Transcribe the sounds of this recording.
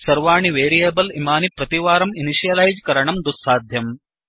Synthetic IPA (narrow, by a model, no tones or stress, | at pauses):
sɐɾʋaːɳiʋeːɾijeːbɐlimaːnipɾɐt̪iʋaːɾɐminiʃijɐlɐjd͡ʒkɐɾɐɳɐmd̪usːaːd̪ʱjɐm